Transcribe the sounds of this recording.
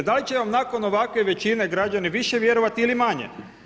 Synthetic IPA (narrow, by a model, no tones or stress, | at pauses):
d̪alit͡ɕeʋamnako̞no̞ʋakʋe̞ʋe̞t͡ʃineɡɾad͡ʒaniʋiʃe̞ʋje̞ɾo̞ʋat̪iilimaɲḛ